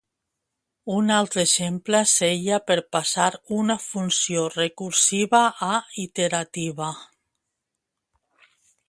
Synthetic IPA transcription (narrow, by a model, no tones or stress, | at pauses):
unalˠt̪ɾeʃempleseʎapeɾpasaɾunafunsiorekuɾsiβaʔːit̪eɾat̪iβa